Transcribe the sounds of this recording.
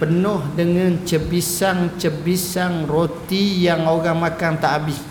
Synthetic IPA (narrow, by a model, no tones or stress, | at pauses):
pənʊhdəŋant͡ʃəbisaŋt͡ʃəbisaŋrot̪ijaŋoɡaŋmakant̪aʔabɪs